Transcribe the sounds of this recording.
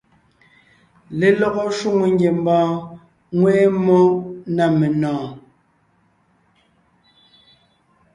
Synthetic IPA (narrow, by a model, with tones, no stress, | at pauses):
le˨lɔ˦ɣɔ˦ʃu˦ŋo˨ŋɡje˨m˦bɔ̃ː˦ | ŋwɛ˦mo˦na˦˨me˨nɔ̃ː˨